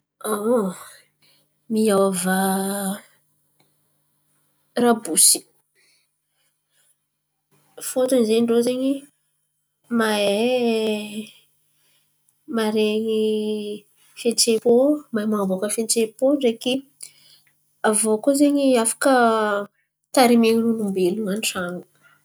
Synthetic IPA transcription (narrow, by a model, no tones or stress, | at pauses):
a | miawava | rabusi̥ | fot̪unzeɲɳɖ͡ʐozeɲi | mae | maɾeɲi | fent͡sepomamaŋbokəfent͡sepoɳɖ͡ʐeki | avokozeɲiafḁkə | t̪aɾimeɲinunumbeluŋanʈ͡ʂaŋu